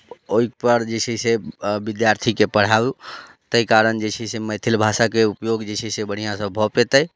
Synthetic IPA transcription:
oik̚pəɾd͡ʒet͡ʃʰɛsebid̪jaɾt̪ʰikepəɽ̤au | t̪əikaɾənd͡ʒet͡ʃʰiseməjt̪ʰilbʱasakeupjoɡd͡ʒet͡ʃʰisebəɽ̤ijãsəbʱɔpet̪əj

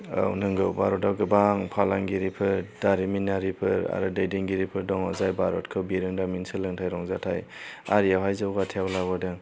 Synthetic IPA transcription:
a̰wnɯŋɡɯwbaɾɔtawɡɯbaŋpʰalaŋɡiɾipʰɯɾdaɾiminaɾipʰɯɾa̰ɾɯdajdɯŋɡiɾipʰɯɾdɔŋɔzajbaɾɔtkʰɯbiɾɯŋdaminsɯlɯŋtʰajɾɔŋzatʰaja̰ɾijawɦajzawɡatʰewlaɡɔdɯŋ

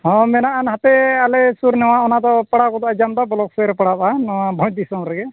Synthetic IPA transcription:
ɦɔ̃mɛnaʔanhat̪ɛalɛsuɾnɛw̃aɔnad̪ɔpaɽakɔt̪ad͡ʒamd̪abɔlɔksɛɾɛpaɽabanɔwabʱɔ̃d̪isɔmɾɛɡɛ

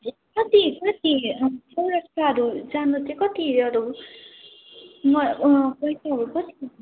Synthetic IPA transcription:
kʌt̪ikʌt̪isʌwɾʌk̚t͡sʰaɦʌɾud͡zanut̪ʰekʌt̪iʌɾu | mʌpʌjsaɦʌɾukʌt̪i

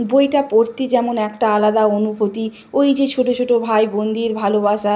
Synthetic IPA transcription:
bojʈapoɾt̪ed͡ʑɛmonɛkʈaalad̪aonubʱot̪i | ojd͡ʑet͡ɕʰoʈot͡ɕʰoʈobʱajbond̪iɾbʱaloβaʃa

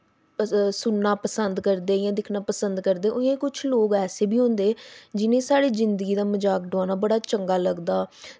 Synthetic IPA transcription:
sʊnːaːpəsənd̪kəɾd̪eːjãːd̪ɪkʰnaːpəsənd̪kəɾd̪eːʔʊẽːkʊt͡ʃʰloːkɛːseːbiːɦʊ̃nd̪eːd͡ʒɪnẽːsaːɽeːzɪnd̪əɡiːd̪aːməd͡ʒaːk̚ɖaːnaːbəɽaːt͡ʃəŋɡaːləɡd̪aː

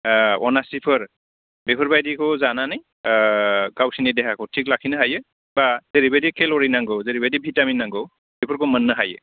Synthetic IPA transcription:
ɔ̰nasipʰəɹ | bepʰɔɹbajdikʰɔzananaj | ɡawsinidɛkʰakʰɔtʰiklakʰinɯɦajɯ | baz̥eɹibadikʰelɔɹinaŋɡɔwzeɹibadibʱitaminːaŋɡɔw | bepʰɔɹkomənːəɦajɯ̰

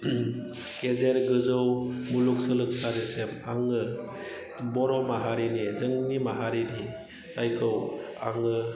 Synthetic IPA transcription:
kezeɾɡɯzɯwmuluk̚sɯlɯk̚sʰadesemaŋɯ | bɔɾɔmaɦaɾinizɯŋnimaɦaɾini | sajkʰɯw | aŋɯ

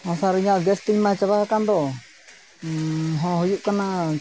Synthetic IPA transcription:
asaɾiɲaʔɡɛst̪iŋmat͡ʃaβaɦakand̪ɔ | ɦɔ̃ɦujuʔkana

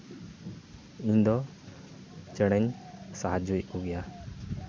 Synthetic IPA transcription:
uɲd̪ɔ | t͡ʃɛɽ̃ɛɲsaɦad͡ʒujuɡɛja

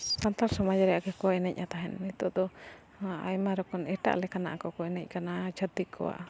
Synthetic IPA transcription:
sant̪aɾsɔmad͡ʒaɾɛjaʔɡakɔɛnɛc̚ˀʔat̪aɦɛnːit̪ɔd̪ɔ | a̰jmaɾɔkɔnɛʈa̰ʔlɛkana̰ʔakɔkɔɛnɛc̚ˀkanad͡ʒʰəd̪ikʰɔ̰wa̰ʔ

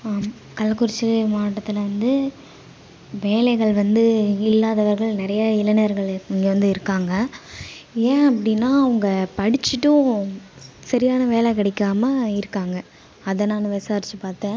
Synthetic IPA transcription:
m | kɐlːɐkːʊɾɪt͡ʃːɐɾmaːʈːɐt̪ːɪlʋɐnd̪ɯ | ʋeːlɐɪɣɐɭʋɐnd̪ɯɪlːaːðɐʋɐɾɣɐɭnɪɾɐjɐɪlɐnɐjɐɾɣɐɭɪŋɡɐʋɐnd̪ɯɪɾɯkːaːŋɡɐ | ẽːɐpːɐɽɪnːaːɐɐŋɡɐpɐɽɪt͡ʃːɪʈːʊ̃ | sɐɾɪjaːnɐʋeːlɛkɪɽɛkːaːmɐɪɾɯkːaːŋɡɐ | ɐðɐnːaːnɯʋɛsaːɾt͡ʃːɯpaːɾt̪ɛ̃ː

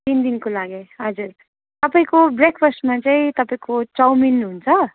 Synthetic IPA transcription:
t̪ind̪inkolaɡeɦʌd͡zur | t̪ʌpaĩkobrekʰpʰʌsʈmat͡saĩt̪ʌpaĩkot͡sawminɦunt͡sʰʌ

